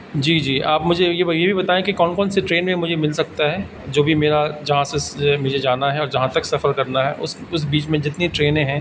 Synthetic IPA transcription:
d͡ʒiːd͡ʒiːʔaːpmʊd͡ʒʱejejebʱibɐt̪aːẽkikɔːnkɔːnseʈɾeːnmẽmʊd͡ʒʱemɪlsɐk̚t̪aɦɛː | d͡ʒoːbʱimeːɾad͡ʒɐɦãsemʊd͡ʒʱed͡ʒaːnaɦɛɔːɾd͡ʒɐɦãt̪ɐksɐfəɾkɐɾnaɦɛ̰ːʔʊsʊs̬biːt͡ʃmẽd͡ʒɪt̪niʈɾeːnẽɦɛ̃ː

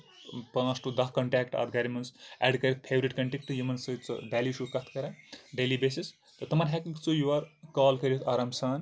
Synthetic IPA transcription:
pãːsʈud̪ɐɦkɐɳʈaːkʈɐ̰ɾɡɐɾimɐnsɛ̰ɖkɐɾit̪̚pʰebɾiʈkɐɳʈekʈɨjimɐnsɐt͡sɐ̰bæːlisukɐt̪ʰkɐɾɐɖelibeːsis | t̪ɐt̪ɐmɐɾɦakĩŋkt͡sʰujuɐɾkaːlkɐɾjit̪ʰaːɾɐmsaːn

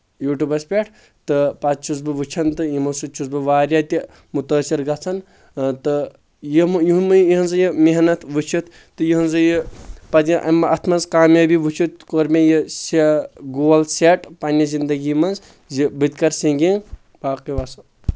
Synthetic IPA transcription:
juːʈubɐspʲeʈʰ | t̪ɨpɐt̪̚t͡ʃʰuzbɨʋɨt͡ʃʰɐnt̪ɨjimɐsut͡ʃʰuzbɨʋaːɾjaːt̪ʲi | mut̪əːsiɾɡɐt͡sʰɐn | t̪ɨ | jimjuɦmɨjiɦɨnzɨjimeɦnɐt̪ʰʋɨt͡ʃʰit̪ʰ | t̪ːɨjiɦunzɨjipɐt̪ʲiʔɐmːɐʔɐt̪ʰmɐnzkaːmjabiʋɨt͡ʃʰut̪koːɾmʲejiseɡoːlseʈpɐnʲɐzind̪ɐɡiːmɐnz | zibɨt̪ʲkɐɾsiŋɡiŋ | baːqiʋɐsɐ

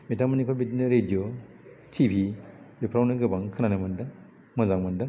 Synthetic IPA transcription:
metaŋmɐnikʰɔlbitinɐɾedijo | tʰibʱibepʰɾawnɯɡɯbaŋkʰɯnanɯmɐndɐŋ | mɐzaŋmɐndɐŋ

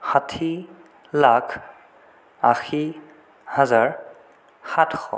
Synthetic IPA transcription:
xatʰi | lakʰ | axi | hazaɹ | xatʰxɔ̰

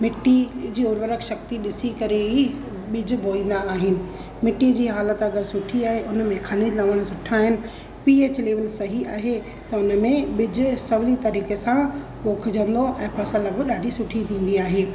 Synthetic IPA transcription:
mɪʈːid͡ʑiːoːɾʋəɾəkʃɐk̚t̪iɗɪsikɐɾei | ɓɪd͡ʑʊbʱoːĩːnd̪aːɦɪnɪ̆ | mɪʈːid͡ʑiːɦaːlət̪ɐɡəɾsʊʈʰiaːɦeʔʊnəmẽkʰɐnɪlɐʋəɽ̃sʊʈʰaːɦɪnɪ̆ | piːet͡ɕɪleːʋəlsɐɦiʔaːɦe | t̪ɐʊnəmẽɓɪd͡ʑsɐʋɪlit̪ɐɾiːkesã | ɓoːkʰd͡ʑə̃nd̪oʔɛ̃ːpɐsələbɪɗaːɖʱisʊʈʰit̪ʰĩːn̆d̪iaːɦeː

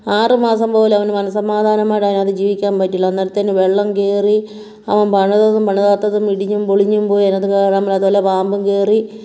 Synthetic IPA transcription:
aːrɨmaːsɐmpo̞ːlɐʋɐnmɐnɐsɐmaːd̪ʱaːnɐmaːɽaːnɐðɨd͡ʑiːʋikʲːaːmpɐtːiɭːɐnːɐɾɐt̪ːeːnɨʋeɭːɐmkeːri | ɐʋɐnpɐɳɐðoðumpɐɳɐðat̪ːɐðumiɽiɲːumpoɭiɲːumpo̞ːjenːɐðukeːɳaːmɐlːɐðuʋoːlːɐpaːmbɨmkeːri

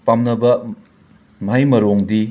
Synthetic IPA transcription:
pamnɐbɐ | mɦajmɐɾoŋdi

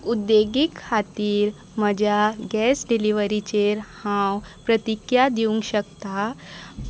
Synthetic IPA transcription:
ud̪ːeɡikʰːat̪iːɾ | məd͡ʑʱjaɡɛsɖiliʋəɾit͡ɕeɾhãwpɾət̪ikjad̪iũŋkɕəkt̪a

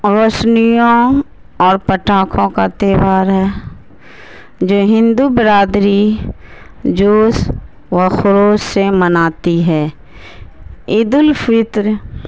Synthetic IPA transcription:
ɾoːsnijõ | ɔːɾpəʈaːkʰõkat̪eːʋaːɾɦɛː | d͡ʒoːɦɪ̃nd̪ubɪɾaːd̪ɾi | d͡ʒoːs | ʋəxʊɾoːssemənaːt̪iɦɛː | ɪd̪ʊlfɪt̪ɾ

